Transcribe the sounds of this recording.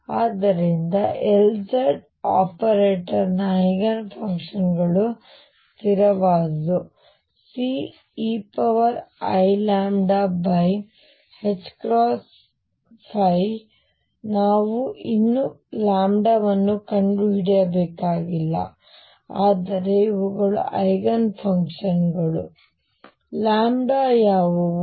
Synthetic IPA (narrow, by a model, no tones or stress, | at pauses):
aːd̪ɐɾind̪ɐʔeld͡ʒɐɖ | aːpɐɾeːʈɐɾnɐiɡɐnpʰɐŋkʂɐnɡɐɭu | t̪iɾɐʋaːd̪u | si | ipɐʋɐɾɐ̰jlaːmɖabɐj | het͡ʃːkɾoːs | pʰɐj | naːʋuinːu | laːmɖaʋɐnːukɐɳɖɾuɦiɽɐjɐbɛːkaːɡilːɐ̰ | aːd̪ɐɾeiʋuɡɐɭṵʔɐjɡɐnpʰɐŋkʂɐnɡɐɭṵ | laːmɖaːjaːʋu